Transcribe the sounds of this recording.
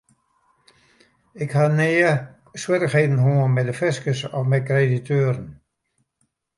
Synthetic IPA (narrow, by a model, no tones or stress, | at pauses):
ɪkhaneːə | swɪɾəχheːdn̩ɦoənmɛdəfɪskəsɔfmɛjkreditʰøːɾn̩